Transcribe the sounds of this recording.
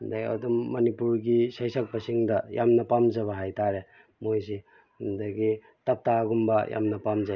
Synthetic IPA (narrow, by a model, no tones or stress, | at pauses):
undaɡia̰dumːɐnipuɾɡisajsɐk̚bɐsiŋdɐjamnɐpamzɐβɐɦajtaɾe | mojze | hundaɡi | tɐp̚taɡumbɐja̰mnɐpamza